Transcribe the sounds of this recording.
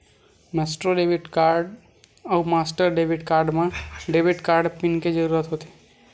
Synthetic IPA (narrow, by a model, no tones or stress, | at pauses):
mɛːsʈɾoɖeːʋɪʈkaːɾɖ | əʊmaːsʈəɾɖeːbɪʈkaːɾɖmãɖeːbɪʈkaːɾɖpɪnked͡ʒəɾuːɾət̪ɦot̪e